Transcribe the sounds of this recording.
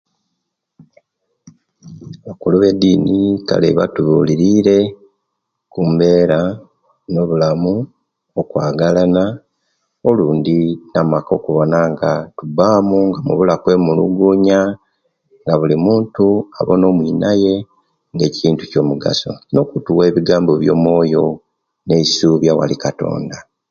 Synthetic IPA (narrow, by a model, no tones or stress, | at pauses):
βakuluβe̞diːnika̰lḛβatuβuːliɾiːɾe̞ | kumbe̞ːɾa | no̞βulamu | okwaːɡalana | oluːndinamako̞kuβo̞naŋɡatubaːmuŋɡamṵβulakwe̞mulṵɡuɲa | ŋɡaβulimuːntua̰βono̞ːmwiːnaje̞ | ŋɡe̞ːciːntu̥co̞ːmuɡa̰so̞̰no̞kutuwe̞ːβiɡaːmbo̞βjo̞̰ːmwo̞ːjo̞ | ne̞isuːβjawa̰likato̞̰ːnda